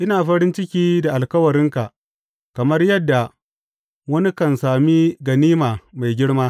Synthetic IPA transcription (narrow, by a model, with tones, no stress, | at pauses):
ʔɪ˦naː˨ɸɐ˦ɾɪ˦nt͡ʃɪ˦kʲiː˦da˨ʔa˨lkɐ˦wɐ˨ɾɪ˦ŋka˨ʔ | kɐ˨mɐ˦rjɐ˦dːa˨ | wɐ˦ni˦kɐ˨nsaː˨miː˦ɡɐ˨niː˦maː˨ma˨jɡʲɪ˦ɽmaː˦